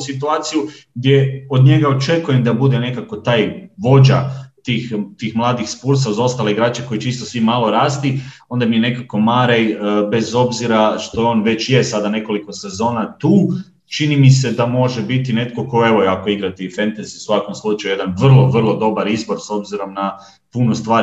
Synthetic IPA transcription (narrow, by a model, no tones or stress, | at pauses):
sit̪uaːt̪sijuɡd̪je̞od̪ɲe̞ɡaot͡ʃe̞kujemd̪abud̪e̞ne̞kako̞t̪aːjʋo̞d͡ʑat̪iːxt̪iːxmlˠaːd̪ixspuːɾs̬auzo̞st̪aleiɡɾaːt͡ɕeko̞jit͡ʃiːst̪osʋimalo̞ɾaːst̪i | o̞nd̪amijene̞kako̞maɾejbe̞zo̞bziɾaʃt̪o̞o̞ːnʋe̞t͡ɕje̞sad̪ane̞ko̞liko̞se̞zo̞ːnat̪uː | t͡ʃinimise̞d̪amo̞ʒebit̪ine̞t̪ko̞koe̞ʋo̞jako̞iɡɾat̪ifent̪aziu̥sʋako̞mslˠut͡ʃajuje̞d̪anʋr̩lˠo̞ʋr̩lˠo̞d̪o̞baɾizbo̞ɾso̞bziɾo̞mna | punost̪ʋaː